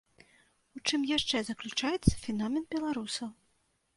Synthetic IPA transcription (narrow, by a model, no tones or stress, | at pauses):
ut͡ʂɨmjaʂt͡ʂɛzɐklʲut͡ʂajɛt̪sːɐ̥fʲinamʲɛnd̪̚bʲɛlˠaɾusɐw